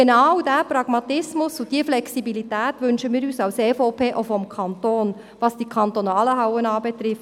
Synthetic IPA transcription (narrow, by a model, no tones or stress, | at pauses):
enawdæːpɾɑɡ̥mɑt̪ɪsmʊsʊd̥iəflɛksibilitæːtʋʏnʃəmiːɾyːsɑʊseːfɔʊpʰeːʔofɔmkʰɑnt̪oːn | ʋɑsd̥ikʰɑnt̪ɔnɑːləɦaʊwənɑːbɛt̪ɾɪf